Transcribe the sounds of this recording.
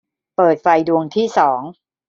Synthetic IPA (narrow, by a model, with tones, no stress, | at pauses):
pɤː˨˩t̪̚fa˧jdu˧əŋt̪ʰiː˥˩sɔː˩˦ŋ